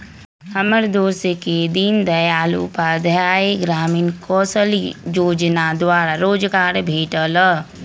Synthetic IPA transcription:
həməɾd̪oːseked̪ind̪əjaːlṵpad̪ʱjaːeɡɾaːmiːnkɔːsəljoːd͡ʒnad̪waːɾaɾoːd͡ʒɡaːɾbʱeːʈələ

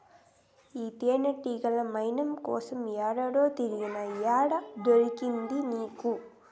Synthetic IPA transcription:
iːt̪eːnɐʈːiɡɐlɐmɐjnɐmkɔ̰ːsɐmjaːɽɐɽo̞ːt̪iɾiɡinɐjaːɽɐd̪oɾikind̪iniːku

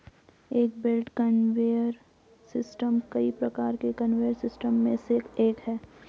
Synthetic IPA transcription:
eːk̚belʈkɐnʋeːjəɾ | sɪsʈəmkɐipɾɐkaːɾkekɐnʋeːəɾsɪsʈəmːẽsekeːʈɦɛː

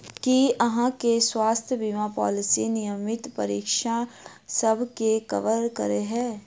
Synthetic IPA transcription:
kiɐɦãkeswaːst̪ʰjəbimapɔ̰ːlɪsinɪjəmɪt̪pɐɾḭːkʃa | sɐbʱkekɐ̰ʋəɾkɐ̰ɾeɦɛ̃ː

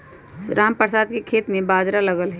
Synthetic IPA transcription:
ɾaːmpəɾsaːd̪kekʰeːt̪mẽbaːd͡ʒɾaləɡəlɦɛ

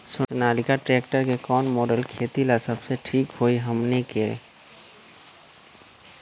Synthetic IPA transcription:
sʊʊnaːlikaʈɾeːkʈəɾkekɔːnmoːɖəlkʰeːt̪ilasəbseʈʰiːkɦoːiɦəmnekḛ

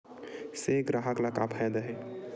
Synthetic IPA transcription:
seɡɾaɦəklakapʰɛd̪əɦɛ

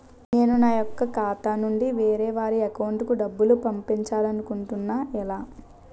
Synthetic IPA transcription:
ne̞ːnunaːjɔkːɐkaːt̪aːnuɳɖiʋeːɾeːʋaːɾiɐkɐwɳʈkuɖɐbːulupɐmpiɲt͡ʃaːlɐnukuɳʈunːaːɛlaː

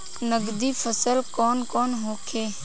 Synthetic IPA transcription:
nəɡd̪ifʰəsəlkɔːnkɔːnɦoːkʰeː

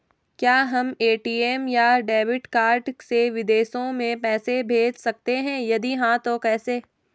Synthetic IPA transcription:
kjaːɦɐmeːʈiːeːmjaɖeːʋɪʈkaːɾɖseʋɪd̪eːʃõmẽpɛːsebʱeːd͡ʒsɐk̚t̪eɦɛ̃jɐd̪iɦãt̪okɛːseː

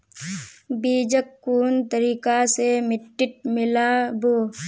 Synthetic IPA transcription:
biːd͡ʒəkːuːnt̪əɾiːkasemɪʈːɪʈ̚mɪlaboː

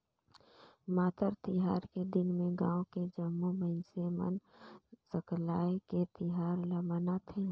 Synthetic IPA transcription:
maːt̪əɾt̪ɪɦaːɾked̪ɪnmẽɡãːoked͡ʒəmːubənsemə̰nsəklaːeket̪ɪɦaːɾləmənat̪ʰe

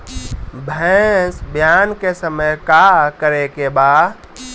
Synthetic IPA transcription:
bʱɛ̃sbʱjaːnkesəməjkakəɾekebaːd̪

